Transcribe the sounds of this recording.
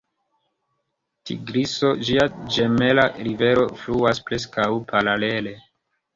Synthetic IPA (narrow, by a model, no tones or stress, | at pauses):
tḭɡɾiso̞d͡ʒiad͡ʒemelaɾive̞ɾo̞fluaspɾe̞s̬kawpʰaɾale̞le̞